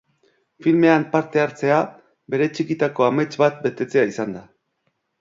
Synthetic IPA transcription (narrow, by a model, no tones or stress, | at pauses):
filme̞ampaɾt̪e̞aɾt͡se̞a | be̞ɾe̞t͡ʃikit̪ako̞ame̞t͡ʃbat̪̚be̞t̪e̞t͡se̞aisand̪a